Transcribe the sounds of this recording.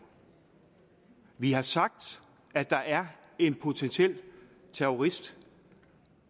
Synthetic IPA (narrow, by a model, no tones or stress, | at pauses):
ʋihɑ̈sɑ̈ɡ̥̚d̥ | æd̥ɑ̈ʔæɐe̝npʰo̝t͡sʰensiel̰ | t͡sʰeoʁisd̥